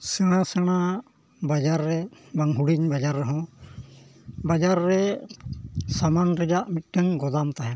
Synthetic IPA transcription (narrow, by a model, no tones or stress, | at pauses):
sɛɽ̃asɛɽ̃a | bad͡ʒaɾːɛbaŋɦuɽiɲbad͡ʒaɾːɛɦɔ̃ | bad͡ʒaɾːɛ | samanɾɛd͡ʒaʔmit̪̚ˀʈɛŋɡɔd̪amt̪aɦɛ